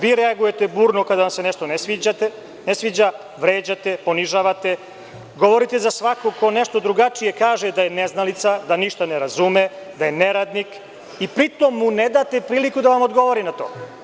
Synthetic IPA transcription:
ʋiːɾeaɡuje̞t̪ebuːɾnokad̪aʋamseneʃt̪onesʋiːd͡ʑat̪e | nesʋid͡ʑa | ʋɾeːd͡ʑat̪e̞po̞niʒaːʋat̪e̞ | ɡo̞ʋo̞ɾit̪e̞zasʋakoko̞neʃt̪o̞d̪ɾuɡat͡ʂije̞kaːʒed̪ajeneznalit̪sad̪aniʃt̪aneɾazume | d̪aje̞neɾaːd̪nik | ipɾit̪omːuned̪aːt̪epɾiːlikud̪aʋamod̪ɡo̞ʋoɾinat̪o̰ː

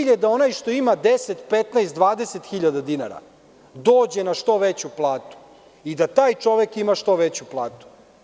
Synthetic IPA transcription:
ʎed̪ao̞najʃt̪o̞imad̪eset̪pet̪naest̪d̪ʋaːd̪eset̪xiʎad̪ad̪inaɾa̰ | d̪oːd͡ʑenaʃt̪o̞ʋet͡ɕuplˠaːt̪u̥ | id̪at̪aːjt͡ʃo̞ʋekimaʃt̪o̞ʋet͡ɕuplˠaːt̪u̥

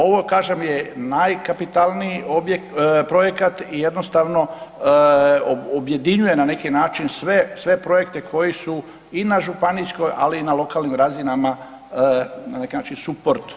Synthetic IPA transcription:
o̞ʋo̞kaːʒe̞mjenajkapit̪alˠniiobjekpɾo̞je̞kat̪ijed̪nost̪aʋno̞ | oobje̞d̪iɲuje̞nane̞kinaːt͡ʃinsʋesʋe̞pɾo̞je̞kt̪e̞kʰo̞jisu | inaʒupanijsko̞jʔa̰liːnalˠo̞kalnimɾazinama | nane̞kinaːt͡ʃinsupoɾt̪

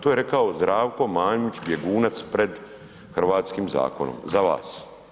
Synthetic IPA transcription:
t̪oje̞ɾe̞kaozd̪ɾaːʋko̞maːɲmit͡ɕbjeɡuːnat̪spɾe̞d̪ | xr̩ʋaːt̪skimza̰ːko̞no̰mzaʋa̰ːs

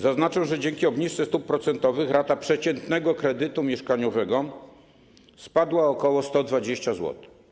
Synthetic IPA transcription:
zaznat͡ʂɛw̃ʐɛd͡ʑɛŋkʲiɔbɲiʂt̪sɛst̪up̚ːɾɔt̪sɛnt̪ɔvɘxɾat̪apʂɛt͡ɕɛnt̪nɛɡɔkɾɛd̪ɘt̪umʲjɛʂkaɲɔvɛɡɔ | spad̪waɔkɔwɔst̪ɔd̪vad͡ʑeɕt͡ɕazwɔ̰t̪

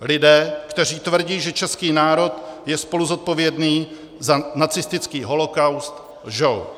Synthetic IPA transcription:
lɪdɛːkt̪ɛr̝iːt̪vr̩ɟiːʒɛt͡ʃɛskiːnaːɾo̞t̪jɛspo̞luzo̞t̪̚po̞vjɛdniː | zanat͡sɪst̪ɪt͡skiːɦo̞lo̞kawst̪ | ʒow

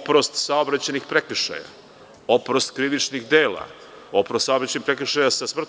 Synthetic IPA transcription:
pɾost̪saobɾat͡ɕanixpɾek̩ʃa̰ja̰ | opɾost̪kɾiʋit͡ʃnixd̪eːla̰ | opɾost̪saobɾat͡ɕenixpɾekʃajasasmr̩t̪

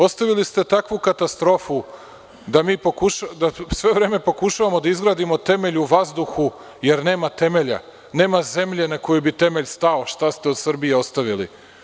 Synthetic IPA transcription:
o̞st̪aʋilist̪e̞t̪akʋukat̪ast̪ɾo̞fu | d̪amiːpokuʃad̪asʋe̞ʋɾe̞ːme̞po̞kuʃaʋamo̞d̪aizɡɾaːd̪imo̞t̪e̞me̞ʎuuʋazd̪uxu | je̞ɾne̞ːmat̪e̞me̞ʎa̰ | ne̞ːmaze̞mʎe̞nako̞jubit̪e̞me̞ʎst̪aoʃt̪ast̪e̞o̞d̪sr̩bie̞o̞st̪aʋilḭ

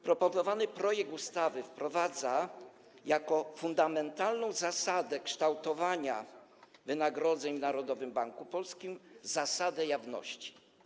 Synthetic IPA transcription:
pɾɔpɔnɔvanɘpɾɔjɛɡ̚t̪ust̪avɘfpɾɔvad̪za | jakɔfund̪amɛnt̪alnɔ̃w̃zasad̪ɛkʂt̪awt̪ɔvaɲa̰ | vɘnaɡɾɔd̪zɛɲvnaɾɔd̪ɔvɘmbaŋkupɔlskʲimzasad̪ɛjavnɔ̰ɕt͡ɕi̥

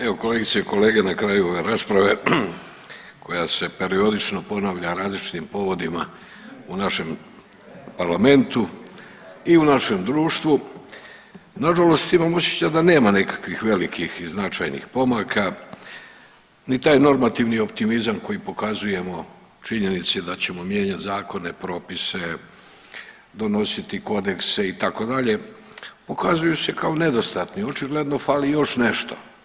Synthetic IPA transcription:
e̞ʋo̞ko̞leɡit̪sieko̞le̞ːɡe̞nakɾajuo̞ʋe̞ɾaːspɾaʋe̞ | kʰo̞jase̞pe̞ɾio̞d̪it͡ʃnopo̞naʋʎaɾaːzlit͡ʃi̥t̪impo̞ʋo̞d̪ima | unaʃe̞m | paɾlame̞nt̪u | iunaʃe̞md̪ɾuːʃt̪ʋu | naʒalo̞st̪imamos̬jet͡ɕad̪ane̞ːmanekḁkʋixʋe̞likʰixiznat͡ʃa̰jnḭxpo̞maːkʰa | nit̪aːjno̞ɾmat̪iʋnio̞pt̪imizamko̞jipo̞kazuje̞mo̞ | t͡ʃiɲe̞nit̪sed̪at͡ɕe̞mo̞mje̞ːɲat̪zaːko̞ne̞pɾo̞ːpise | d̪o̞no̞sit̪iko̞d̪e̞kse̞it̪ako̞d̪aʎe̞ | po̞kazujuse̞kao̞ne̞d̪o̞st̪at̪nio̞t͡ʃiɡle̞d̪no̞falijo̞ʃne̞ʃt̪o̥̰

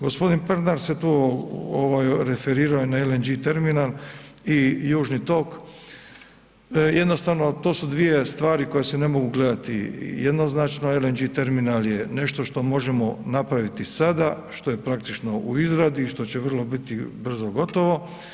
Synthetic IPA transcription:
ɡospo̞d̪inpeɾnaɾset̪uːoʋajɾefeɾiːɾaojnaelend͡ʒit̪eɾminalijuːʒnit̪o̞ːk | jed̪no̞st̪aʋno̞t̪oːsud̪ʋije̞st̪ʋaːɾiko̞jesene̞mo̞ɡuɡle̞d̪at̪ḭjed̪noznat͡ʃno̞elend͡ʒit̪e̞ɾminaljene̞ʃt̪o̞ʃt̪o̞mo̞ʒe̞mo̞napɾaʋit̪isad̪a | ʃt̪o̞je̞pɾak̚t̪it͡ʃno̞ʔuizɾad̪iːʃt̪o̞t͡ɕeʋər̩lˠo̞bit̪ibr̩zoɡo̞t̪o̞ʋo̞

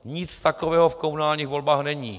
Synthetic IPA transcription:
ɲɪt͡st̪akovɛːɦofkomunaːlɲiːxvo̞lbaːxnɛɲiː

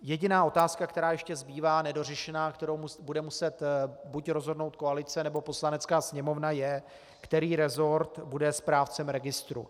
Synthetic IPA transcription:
jɛɟɪnaːʔo̞t̪aːskakt̪ɛɾaːjɛʃcɛzbiːvaːnɛdo̞r̝ɛʃɛnaːkt̪ɛɾo̞wmbudɛmusɛt̪bucɾo̞zɦo̞dno̞wt̪̚koalɪt͡sɛnɛbo̞po̞slanɛt͡skaːsɲɛmo̞vnajɛ | kt̪ɛɾiːɾɛzo̞ɾt̪budɛspɾaːft͡sɛmɾɛɡɪst̪ɾṵ

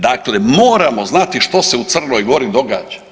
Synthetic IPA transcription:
d̪akle̞mo̞ːɾamo̞znat̪iʃt̪o̞seut̪sr̩no̞jɡo̞ɾid̪o̞ɡaːd͡ʒḁ

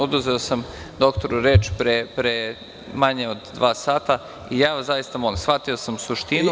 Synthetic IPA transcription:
ud̪uzeosamd̪o̞kt̪oɾuɾeːt͡ʃpɾepɾe | maɲeod̪d̪ʋaːsaːt̪a | ijaːʋazajist̪amo̞limsxfat̪io̞samusuʃt̪innu

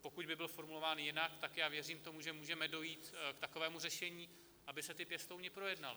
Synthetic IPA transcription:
po̞kuɟbɪbɪlfo̞ɾmulovaːnjɪnakt̪akjaːvjɛriːmt̪o̞muʒɛmuːʒɛmɛdo̞jiːt̪kt̪ako̞vɛːmurɛʃɛɲiː | ʔabɪsɛt̪ɪpjɛst̪owɲɪpɾo̞jɛdnalɪ

